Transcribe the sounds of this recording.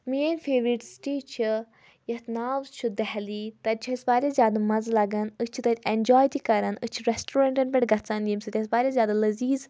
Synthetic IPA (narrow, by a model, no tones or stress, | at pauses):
mienʲfeːʋɾiʈsʈiːt͡ʃʰi | jɐt̪naːwt͡ʃʰud̪ɛɦliːt̪ɐɾʲt͡ʃʰisbaːɾʲazʲjaːd̪amɐzlɐɡɐnɨt͡ʃʰit̪ɐt̪ʲenʲd͡ʒɔːjt̪ikɐɾɐnɨt͡ʃʰiɾɛsʈuɾaɳʈɐnpʲɛʈɡɐt͡saːnd̪ʲimsɨt̪ʲːsbaːɾʲazʲjaːd̪alɐziːz